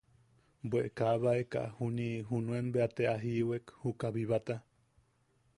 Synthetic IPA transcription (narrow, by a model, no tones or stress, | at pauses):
bweʔekaβaeka̰ʔhuniɦunũenbeat̪eaɦiwekhukaβiβat̪a